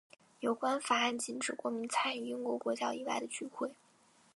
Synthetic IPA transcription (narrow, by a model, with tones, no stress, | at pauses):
jo˨˩ʊkwa˥nfa˨˩a˥˩nt͡ɕi˧˥nʈ͡ʂɻ̩˨˩kwɔ˧˥mi˧˥nt͡sʰa˥ny˨˩i˥ŋkwɔ˧˥kwɔ˧˥t͡ɕja˥i˨˩la˥ɪd̪ə˨t͡ɕy˥xwe˥˩ɪ